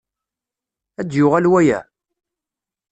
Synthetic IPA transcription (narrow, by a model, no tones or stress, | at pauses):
æd̪jʊʁælwæjæ̰